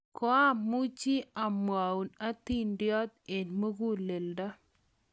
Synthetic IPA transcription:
kɔ˦a˦mu˦t͡ʃi˦a˨mwa˨u˨na˦t̪i˦˨ndjɔ˦t̪̚e˨nmo˦ɡu˦le˨lda˦

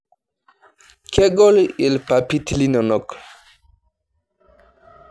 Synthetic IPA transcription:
kʰɛ˦ɡɔ˦li˨lpa˨pi˦t̪li˦nɔ˨nɔ˨k

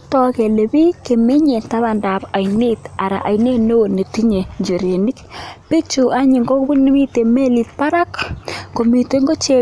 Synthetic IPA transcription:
tɔ˦kɛ˨le˨bi˦ke˨me˦ɲe˨nta˦ða˨nda˨pa˨jne˦ta˨ɾa̰˨ʔa˨jne˦no˦wo˨ne˨ti˦ɲe˨ɲd͡ʒo˨ɾje˨ni˦kpi˦t͡ʃu˨ʔa˦ɲi˨ŋɡo˦kbu˦ni˦mi˦te˨me˦li˨t̚pa˦ɾa˦kko˨mi˨te˦ŋɡo˦t͡ʃe˦

